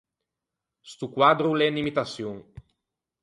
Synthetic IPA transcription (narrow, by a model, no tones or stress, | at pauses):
st̪ukwad̪ɾulɛnimit̪asjuŋ